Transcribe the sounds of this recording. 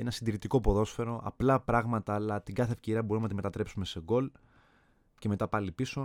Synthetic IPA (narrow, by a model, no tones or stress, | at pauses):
ḛnɐsind̪iɾit̪iko̞po̞ðo̞sfe̞ɾo̞ʔɐ̰plɐpɾɐɣmɐt̪ɐːlɐt̪iɡɐθe̞ːfce̞ɾiɐbo̞ɾumenɐt̪ime̞t̪ɐt̪ɾe̞psume̞se̞ɡo̞l | ce̞me̞t̪ɐpɐlipiso̞